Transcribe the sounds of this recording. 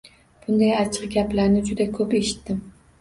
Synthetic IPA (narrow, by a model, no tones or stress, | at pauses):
b̥ʊnd̪ajat͡ʃʰɨqɡʲaplaɾnɪd͡ʒʊd̪akʰɵpe̞ʃɪ̥t̪ːɪm